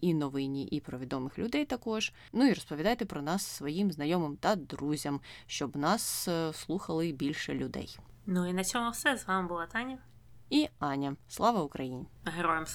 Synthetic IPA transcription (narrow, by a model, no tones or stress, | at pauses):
inɔʋɪnʲiʔipɾɔʋʲid̪ɔmɪxlʲʊd̪ɛjt̪ɐkɔʒ | nuiɾɔspɔʋʲid̪ɑjet̪ɛpɾɔnɑsːʋɔjimznɐjɔmɪmt̪ɐd̪ɾuzʲɐmʃt͡ʃɔbnɑsslˠuxɐlˠɪbʲilʲʃɛlʲʊd̪ɛ̰jnuinɐt͡sʲɔmʊwsɛzʋɑmɪbʊlˠat̪ɑnʲɐ | iɑnʲɐslˠɑʋɐʊkɾɐjinʲɦeɾɔjɛm